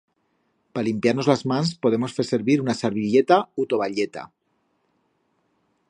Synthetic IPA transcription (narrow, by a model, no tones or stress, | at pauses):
palimpjaɾno̞zlazmãnspo̞ðe̞mo̞sfese̞ɾβiɾunasaɾβiʎet̪aut̪o̞βaʎe̞t̪a̰